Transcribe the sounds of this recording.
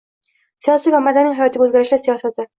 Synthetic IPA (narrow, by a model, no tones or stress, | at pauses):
sijɒsijvamad̪anɪjɦajɒt̪ʰɪɡʲaɵzɡʲaɾɪʃlasijɒsat̪ʰɪ